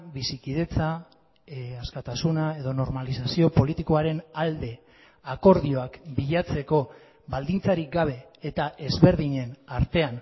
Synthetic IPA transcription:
bisikiðe̞t͡sa | askat̪asunae̞ðo̞no̞ɾmalisasio̞po̞lit̪iko̞aɾe̞nald̪e̞ | ako̞ɾðio̞akbiʎat͡se̞ko̞ | bald̪int͡saɾik̚ɡaβ̞e̞ːt̪aʔe̞zβe̞ɾðiɲe̞naɾt̪e̞an

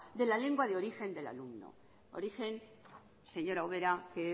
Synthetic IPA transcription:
d̪e̞lale̞ŋɡwaðeo̞ɾixe̞nd̪e̞la̰lumno̰ | o̰ɾixe̞n | se̞ɲo̞ɾaoβe̞ɾake

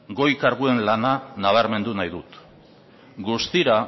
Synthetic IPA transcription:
ɡo̞jkaɾɣue̞nlananaβ̞aɾme̞nd̪unajðut̪ | ɡust̪iɾa

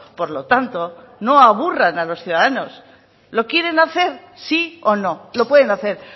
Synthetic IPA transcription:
po̞ɾlo̞t̪ant̪o̞ | no̞aβ̞uranalo̞sθjuðaðano̞s | lo̞kje̞ɾe̞naθe̞ɾ | sio̞no̞lo̞pwe̞ðe̞naθe̞ɾ

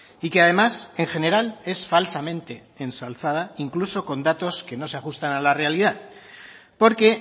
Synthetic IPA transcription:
ikeað̞e̞mase̞ŋxe̞ne̞ɾale̞sfalsamẽ̞nt̪e̞ːnsalθað̞aiŋkluso̞ko̞nd̪at̪o̞ske̞no̞seaxust̪analare̞alið̞að | po̞ɾke̞

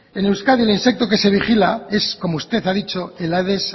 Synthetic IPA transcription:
enewskaðielinse̞k̚t̪o̞ke̞se̞β̞ixilae̞sko̞moust̪e̞θaðit͡ʃo̞elaðes

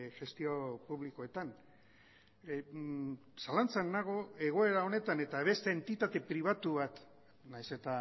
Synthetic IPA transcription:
ʝe̞st̪io̞puβliko̞e̞t̪an | salant͡sanːaɣ̞o̞e̞ɣ̞o̞e̞ɾao̞ne̞t̪ane̞t̪aβ̞e̞st̪e̞ːnt̪it̪at̪e̞pɾiβ̞at̪uβat̪ | najse̞t̪a

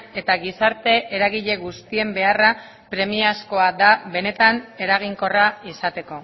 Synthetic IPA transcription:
e̞t̪aɣisaɾt̪e̞ʔeɾaɣiʎe̞ɣust̪ie̞mbe̞ara | pɾe̞miasko̞ad̪aβe̞ne̞t̪ane̞ɾaɣ̞iŋko̞raisat̪e̞ko̞

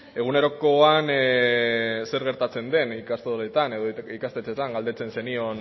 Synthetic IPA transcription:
e̞ɣ̞une̞ɾo̞ko̞an | se̞ɾɣe̞ɾt̪at͡se̞nd̪e̞nikast̪eɾet̪ane̞ðoikast̪e̞t͡set̪aŋɡald̪e̞t͡se̞nse̞nio̞n

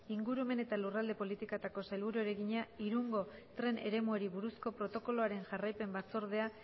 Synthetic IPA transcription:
iŋɡuɾume̞ne̞t̪alurald̪e̞po̞lit̪ikat̪ako̞sajlβuɾueɾeɣiɲaiɾuŋɡo̞t̪ɾe̞ne̞̰ɾe̞mueɾiβuɾusko̞pɾo̞t̪o̞ko̞lo̞aɾe̞nʝarajpe̞mbat͡so̞ɾð̞e̞a

